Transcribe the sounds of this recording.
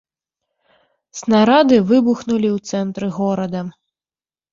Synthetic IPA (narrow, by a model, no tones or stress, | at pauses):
snaɾad̪ɨvɨbuxnulʲiwt̪sɛnt̪ɾɨɣɔɾɐd̪ɐ